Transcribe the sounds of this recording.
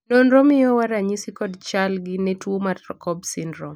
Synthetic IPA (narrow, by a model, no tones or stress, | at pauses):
nɔnɾɔmɪɔwaɾaɲisikɔdt͡ʃalɡinɛtwomatɾɔkɔbsindɾɔ